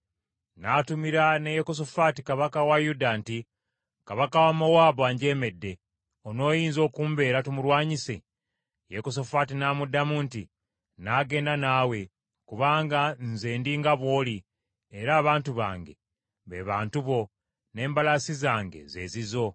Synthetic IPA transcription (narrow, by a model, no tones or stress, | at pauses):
naːtumiɾanejekos̬ofaːtikaβakawajudanti | kaβakawamowaːbaɲɟe̞ːme̞dːe̞ | ono̞ːjiːnzo̞ːkuːmbe̞ːɾatumuɾwaːɲise̞̰ | jekos̬o̞faːtinaːmudːamunti | naːɡe̞ːndanaːwe̞ | kuβaːŋɡanzeːndiːŋɡaβwo̞ːli | eɾaːβaːntuβa̰ːŋɡe̞̰ | βe̞̰ːβaːntuβo̞ | ne̞ːmbalasizaːŋɡe̞̰ze̞̰ːzizo̞